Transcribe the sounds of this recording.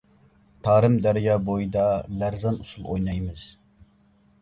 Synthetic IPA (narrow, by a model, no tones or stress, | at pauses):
t̪ʰɑːɾɨmd̪æɾɪjɑːbojid̪ɑlæɾzɑnusulˠo̰jnɑjmɨz̥